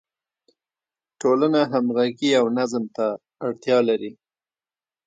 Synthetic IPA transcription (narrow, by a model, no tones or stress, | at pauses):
ʈolanaɦamɣaɡiawnazmt̪aː | ɽt̪jɑlaɾi